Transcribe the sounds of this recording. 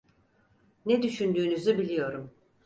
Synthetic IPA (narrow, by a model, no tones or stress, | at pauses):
nɛd̪yʃynd̪yːnyzybilʲijo̞ɾum